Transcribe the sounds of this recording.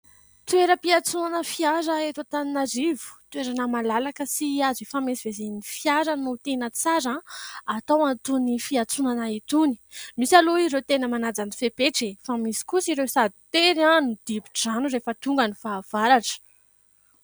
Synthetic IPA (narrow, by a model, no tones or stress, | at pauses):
t̪ueɾəpiat͡sunanəfiaɾəet̪at̪aninaɾivu̥t̪weɾanəmalalakəsiazefamesivezenifjaɾannot̪enət͡saɾaat̪awant̪unifiat͡sunanait̪uni̥misaloiɾewt̪enəmanad͡zanifepeʈ͡ʂefamisi̥kusiɾewsad̪i̥t̪eɾanud̪̥ibiʈ͡ʂanurefət̪uŋɡanifaːv̥aɾaʈ͡ʂə̥